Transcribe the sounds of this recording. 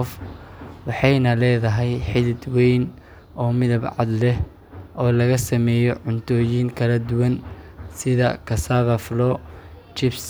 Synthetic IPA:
ɔfwɑħɑjnɐlɛːðɐɦɛjħɪðɪd̪wɛjn | ɔːmɪðɐbʕɑ̰d̪lɛ | ɔːlɐɣɐsɐmɛːjɔʕʊnt̪ʰɔːjiːŋkʰɐlɐd̪ʊwɐnsɪðɐkʰɐsaβɐflɔːt͡ʃɪbs

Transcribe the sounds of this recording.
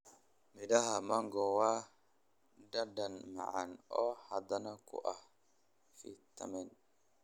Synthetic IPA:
midaɦamaŋɡɔwa | dadanma̰ʕa̰nɔhad̪anakṵʔah | fḭt̪a̰mɛn

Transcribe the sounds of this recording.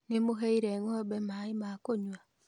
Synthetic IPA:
nemoɦeiɾeŋɔbɛmaimakoɲwa

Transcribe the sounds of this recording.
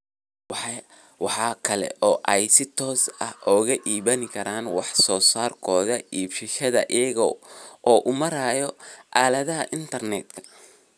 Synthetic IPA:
wɑħɑːkʰɐlɛ̰ʔɔːʔɛjsɪt̪ʰɔːsɐ̰hʔɔːɣɐʔiːβɐnɪkʰɐɾaːnwɑħsɔːsaːrkʰɔːðɐʔiːbʃɪʃɐðɐ̰ʔɪjɐɣɔ̰ʔɔːʔʊmɐɾaːjɔʔaːlɐðɐɦɐʔɪnt̪ʰɐrnɛd̪kʰɐ̥

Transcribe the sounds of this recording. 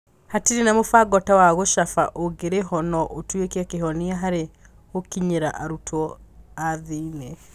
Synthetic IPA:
hatiɾinamofaɡɔtawaɣoʃafa̰ʔoɡeɾeɦɔnɔʔotwekeakeɦɔniaɦaɾe | okiɲeɾa̰ʔaɾutʰɔaðiːnɛ

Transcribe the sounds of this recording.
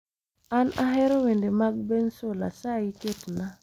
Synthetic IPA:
ana̰ɦɛɾɔwendemaɡ̚bensola̰saiketna

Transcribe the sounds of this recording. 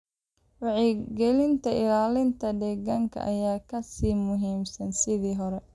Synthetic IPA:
wɑʕiɡɛlɪnt̪ʰɐɪlaːlɪnt̪ʰɐd̪ɛɣɐŋkʰɐ̰ʔɐjaːkʰɐsiːmʊɦiːmsɐnsɪðiːɦɔɾɛ

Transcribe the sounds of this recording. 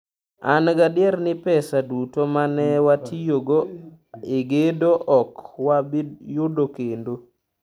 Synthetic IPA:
a̰nɡadɪɛɾnɪpɛsadutomanɛwatʰijoɡoeɡedoʔɔkwabijʊdokendo

